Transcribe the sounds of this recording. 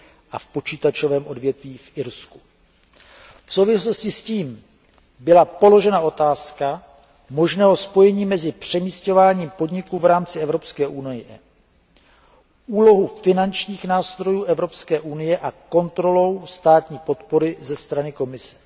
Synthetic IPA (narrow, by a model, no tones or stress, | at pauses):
ʔafpo̞t͡ʃiːt̪at͡ʃo̞vɛːmʔo̞dvjɛt̪viːfʔɪɾsku | fsowvɪslo̞scɪsciːm | bɪlapo̞lo̞ʒɛnaʔo̞t̪aːska | mo̞ʒnɛːɦo̞spo̞jɛɲiːmɛzɪpr̝̥ɛmiːsco̞vaːɲiːmpo̞dɲɪkuːvɾaːmt͡sɪɛvɾo̞pskɛːʔunɪjɪʔɛ | ʔuːlo̞ɦufɪnant͡ʃɲiːxnaːst̪ɾo̞juːʔɛvɾo̞pskɛːʔunɪjɛʔako̞nt̪ɾo̞lo̞wst̪aːt̪ɲiːpo̞t̪po̞ɾɪzɛst̪ɾanɪko̞mɪsɛ̥